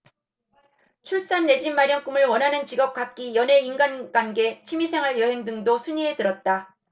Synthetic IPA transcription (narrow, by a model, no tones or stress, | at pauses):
t͡ɕʰuɭs͈anːe̞d͡ʑinmaɾjʌŋk͈umɯɭwʌnɦanɯnt͡ɕiɡʌp̚k͈ak̚k͈ijʌne̞inɡanɡwanɡe̞t͡ɕʰimisʰeŋɦaɭjʌɦe̞ŋdɯŋdosʰuɲie̞tɯɾʌt̚t͈a